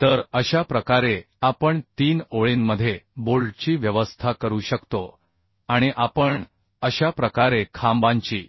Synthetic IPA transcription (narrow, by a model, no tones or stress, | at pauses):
t̪əɾəɕapɾəkaɾe | apəɳt̪iːnoɭenməd̪ʱːjeboɭt͡ɕiːʋjəʋəst̪ʰakəɾuːɕəkt̪o | aɽ̃iʔapəɳ | əɕapɾəkaɾekʰãmbãɲt͡ɕḭː